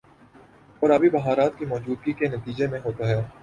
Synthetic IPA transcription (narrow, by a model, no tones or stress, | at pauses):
ɔːɾɐbʱibɐɦaːɾaːt̪̚kimɔːd͡ʒuːd̪̚ɡikenɐt̪iːd͡ʒemẽɦoːt̪aɦɛː